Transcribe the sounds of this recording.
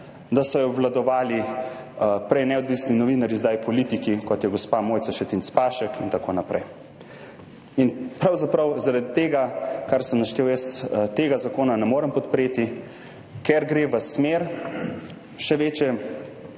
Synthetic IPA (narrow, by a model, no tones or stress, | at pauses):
d̪asɔjɔwlad̪ɔʋaːli | pɾɛjnɛɔd̪ʋisninɔʋiːnaɾjizd̪ajpɔliːt̪ikikɔt̪jɛɡospamojtsaʃtɛt̪inspaːʃəkint̪akonapɾɛj | inpɾawzapɾɐwzaɾad̪it̪eːɡakaɾsəmnaʃt̪eːwjɛst̪eːɡazakoːnanɛmoːɾəmpɔt̪pɾeːt̪i | kɛɾɡɾeʋəsmeɾ | ʃɛʋeːt͡ʃɛ